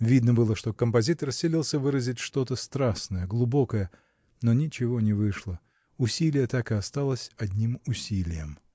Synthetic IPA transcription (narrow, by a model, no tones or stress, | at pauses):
vʲid̪nəbɨlˠəʂt̪o̞kəmpɐzʲit̪ərsʲɪlʲilˠsʲəvɨɾəzʲɪtʲʂt̪o̞t̪əst̪ɾaʂnəjəɡlˠʊbo̞kəjə | no̞nʲɪt͡ɕɪvo̞nʲɪvɨʂlˠə | ʊsʲilʲɪjət̪akɨɐst̪alˠəsʲɐdʲnʲimʊsʲilʲɪjəm